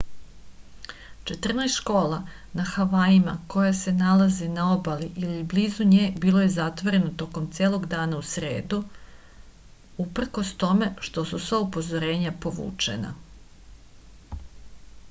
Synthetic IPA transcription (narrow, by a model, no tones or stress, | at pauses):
t͡ʃe̞t̪r̩najst̪ʃko̞ːla | naxaʋaːjima̰ko̞jase̞nalazenao̞baliʔilibliːzuɲeːbiːlˠo̞je̞zat̪ʋoɾe̞not̪o̞ko̞mt̪sʲjeːlˠo̞ɡd̪aːnausɾḛːd̪u | upr̩ko̞st̪o̞me̞ʃt̪o̞susaupo̞zoɾe̞ːɲapo̞ʋṵːt͡ʂḛna̰